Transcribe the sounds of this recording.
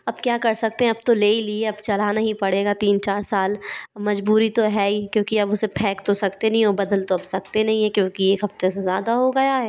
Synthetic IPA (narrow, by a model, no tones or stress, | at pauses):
ɐbkjaːkɐɾsɐk̚t̪ẽɦɛ̃ɐbt̪oleːilieɐbt͡ʃɐlanɐɦĩpɐɽeːɡat̪iːnt͡ʃaːɾsaːlmɐd͡ʒbuːɾit̪oɦɛːikjõːkiɐbʊsepʰɛ̃ːkt̪osɐkt̪enɐɦĩɦobɐd̪əlt̪oɐbsɐk̚t̪enɐɦĩɦɛkjõːkieːkɦɐft̪esezjaːd̪aɦoɡɐjaɦɛː